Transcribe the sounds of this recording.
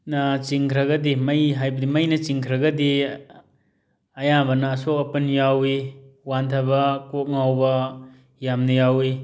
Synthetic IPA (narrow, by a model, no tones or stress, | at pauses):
nɐt͡ʃiŋkʰɾɐɡɐdimɐjɦajbɐdimɐjnɐt͡ʃiŋkʰɾɐɡɐdi | ɐjabɐnɐːsokɐpɐnjawiwant̪ʰɐbɐkok̚ŋawbɐ | jamnɐjawi